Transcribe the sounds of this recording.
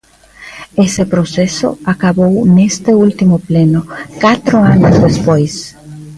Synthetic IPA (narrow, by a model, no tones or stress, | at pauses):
esepɾoseso̰akaβownest̪eult̪imoplenokat̪ɾoanozðespojs